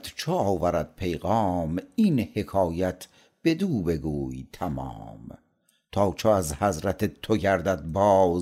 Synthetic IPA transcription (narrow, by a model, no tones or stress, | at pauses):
d̪̥t͡ʃʰoɒːvæɾæd̪̚pʰejɣɒːminhe̞kʰɒːjæt̪ʰ | b̥e̞d̪uːbe̞ɡuːjt̪ʰæmɒ̰ːm | t̪ʰɒːt͡ʃʰoæzhæzɾæt̪ʰet̪ʰːoɟæɾd̪æd̪̚bɒːz